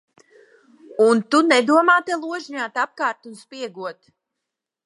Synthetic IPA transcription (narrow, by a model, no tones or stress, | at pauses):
unt̪unɛd̪uɔmaːt̪ɛlˠuɔʒɲaːt̪ap̚kaːɾt̪unspiɛɡuɔt̪